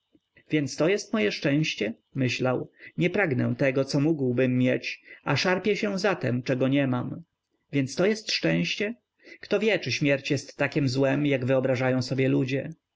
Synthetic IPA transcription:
vʲjɛnt̪st̪ɔjɛst̪mɔjɛʂt͡ʂɛ̃w̃ɕt͡ɕɛ | mɘɕlawɲɛpɾaɡnɛ̃t̪ɛɡɔt̪sɔmuɡwbɘmːjɛt͡ɕaʂaɾpʲjɛɕɛ̃zat̪ɛmt͡ʂɛɡɔɲɛmam | vʲjɛnt̪st̪ɔjɛst̪ʂt͡ʂɛ̃w̃ɕt͡ɕɛ | kt̪ɔvʲjɛt͡ʂɘɕmʲjɛɾt͡ɕjɛst̪ːakʲɛmzwɛmjaɡvɘɔbɾaʐajɔ̃w̃sɔbʲjɛlud͡ʑɛ

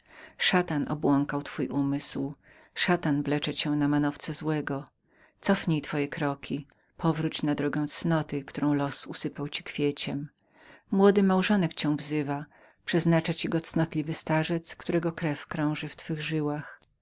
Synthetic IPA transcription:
ʂat̪anʔɔ̰bwɔŋkawt̪fujʔumɘsw | ʂat̪anvlɛt͡ʂɛt͡ɕɛ̃namanɔft̪sɛzwɛɡɔ | t̪sɔfɲejt̪fɔjɛkɾɔkʲʰi | pʰɔvɾut͡ɕnad̪ɾɔɡɛ̃w̃t̪snɔt̪ɘkt̪uɾɔ̃w̃lɔsusɘpawt͡ɕikfʲjet͡ɕɛm | mwɔd̪ɘmawʐɔnɛkt͡ɕɛ̃w̃vzɘva | pʂɛznat͡ʂat͡ɕiɡɔt̪snɔt̪lʲivɘst̪aʐɛt̪skt̪uɾɛɡɔkɾɛfkɾɔ̃w̃ʐɘft̪fɘɣʐɘwax

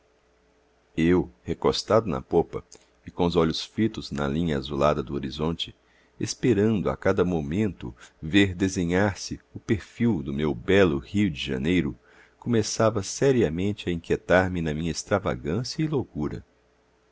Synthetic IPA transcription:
ewhekost̪ad̪ʊnɐ̰popɐ | ikõʊzɔʎʊsfɾit̪ʊznɐ̰lĩɲɐazula̰d̪ɐd̪ʊoɾizõnt͡ʃɪ | espeɾɐ̃nd̪ʊa̰kad̪ɐmomẽnt̪ʊ̰veɾd̪ezẽɲaɾsɪʊpeɾfiwd̪ʊmewbɛlʊhiʊd͡ʒɪʒɐ̰nejɾʊ | kõmesavɐsɛɾiɐmẽnt͡ʃɪɐĩket̪aɾmɪnɐmĩɲɐest̪ɾava̰ɡɐ̃sjɐɪlokuɾɐ̰

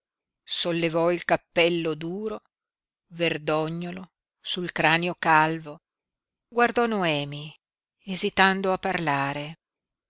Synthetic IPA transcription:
solːevɔilkapːɛlːod̪uːɾo | verd̪ɔɲːolo | sulkɾaːneokalvo | ɡward̪ɔnoɛːmi | ezit̪and̪oapːarlaːɾe

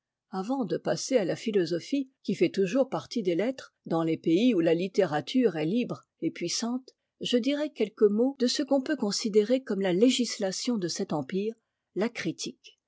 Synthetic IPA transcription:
avɑ̃d̪əpasealafilɔzɔfikʲifɛt̪uʒuʁpaʁt̪id̪elɛt̪χ | d̪ɑ̃lepeiulalit̪eʁat̪ʰyʁɛlibʁ | epɥisɑ̃t̪ | ʒəd̪iʁɛkʲɛlkəmod̪əsəkɔ̃pøkɔ̃sid̪eʁekɔmlaleʒislasjɔ̃d̪əsɛt̪ɑ̃piːʁ | lakχit̪ʰik

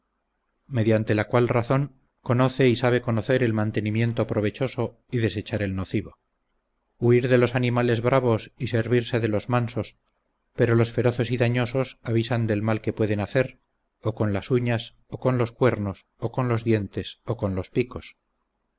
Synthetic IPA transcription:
me̞ðjant̪e̞lakwalraθo̞ŋ | ko̞no̞θe̞isaβ̞e̞ko̞no̞θe̞ɾe̞lmãnt̪e̞nĩmjẽ̞nt̪o̞pɾo̞β̞e̞t͡ʃo̞so̞ | iðe̞se̞t͡ʃaɾe̞lno̞θiβo | uiɾðe̞lo̞sanĩmale̞zβɾaβ̞o̞sise̞ɾβiɾse̞ðe̞lo̞zmanso̞s | pe̞ɾo̞lo̞sfe̞ɾo̞θo̞siðaɲo̞so̞saβisand̪e̞lmalke̞pwe̞ðe̞naθe̞ɾ | oko̞nlasuɲas | oko̞nlo̞skwe̞ɾno̞s | o̞ko̞nlo̞zðje̞nt̪e̞soko̞nlo̞spiko̞s

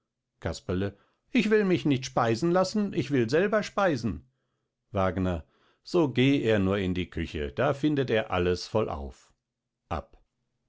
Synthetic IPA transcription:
kʰaspɐlə | ʔɪçv̥ɪlmɪçnɪçtʃpaɪzn̩lasn̩ʔɪçv̥ɪlzɛlbɐʃpaɪzn̩ | vaːɡnɐ | z̥oːɡeːeːɐnuːɐɪndiːkʰʏçə̰d̥aːfɪndəteːɐʔa̰ləsfɔlʔa̰ʊf | ʔa̰p

